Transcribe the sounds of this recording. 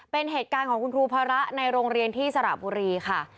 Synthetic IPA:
pe˧nɦeː˨˩t̪̚kaː˧nkʰɔː˩˦ŋku˧nkʰɾuː˧pʰaː˧ɾa˦˥ʔna˧jɾoː˧ŋɾi˧ənt̪ʰiː˥˩sa˧ɾa̰˨˩buː˧ɾiː˧kʰa˥˩

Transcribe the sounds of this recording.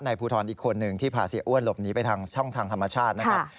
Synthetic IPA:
na˧jpʰuː˧t̪ʰɔː˧nʔiː˨˩kʰːo˧nːɯ˨˩ŋt̪ʰiː˥˩pʰaː˨˩si˨˩˦əʔu˥˩ənlo˨˩p̚niː˦˥pa˧jt̪ʰaː˧ŋt͡ɕʰɔ˥˩ŋt̪ʰaː˧ŋt̪ʰa˧mːa˧t͡ɕʰaː˥˩t̪̚na˦˥ka˦˥˩

